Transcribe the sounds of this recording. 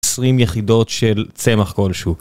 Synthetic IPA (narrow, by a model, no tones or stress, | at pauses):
sʁimjeχido̞tʃelt͡se̞maχko̞lʃu